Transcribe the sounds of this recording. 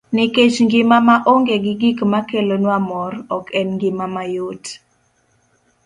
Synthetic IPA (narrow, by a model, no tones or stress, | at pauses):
nɪket͡ʃŋɡɪmamaʔoŋɡeɡɪɡikmakelonwamɔrɔkɛnŋɡɪmamajot